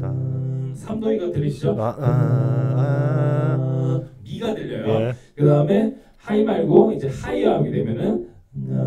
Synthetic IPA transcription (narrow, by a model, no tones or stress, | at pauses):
ɯsʰamdoiɡatɯɾiɕʰid͡ʑo | miɡadɯʎːʌjokɯdaɯme̞ | haimaɭɡoid͡ʑe̞haijʌɦaɡidwe̞mjʌnɯn